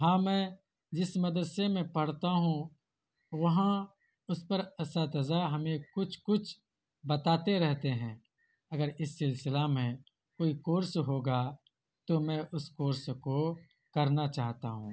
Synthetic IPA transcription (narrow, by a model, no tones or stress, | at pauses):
ɦãːmɛ̃ː | d͡ʒɪsmɐd̪ɾsemẽpɐɽ̤t̪aɦũ | ʋɐɦã | ʊspəɾɛsat̪ɐzaɦɐmẽkʊt͡ʃʰkʊt͡ʃʰ | bɐt̪aːt̪eɾɛɦt̪eɦɛ̃ː | ɐɡəɾɪsːɪlsɪlamẽ | koːikoːɾsɦoːɡa | t̪omɛ̃ːʔʊskoːɾsko | kɐɾnat͡ʃaːɦt̪a̰ɦṵ̃ː